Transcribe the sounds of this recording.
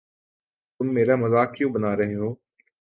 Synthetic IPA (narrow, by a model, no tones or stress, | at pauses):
t̪ʊmːeːɾamɐzaːkːjõːbɐnaːɾɐɦeɦoː